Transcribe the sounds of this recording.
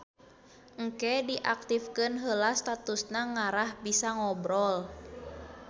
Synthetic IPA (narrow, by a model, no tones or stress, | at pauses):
ŋ̩kɛdiʔak̚t̪ifkɨnɦəlast̪at̪usnaŋaɾahbisaŋɔbɾɔl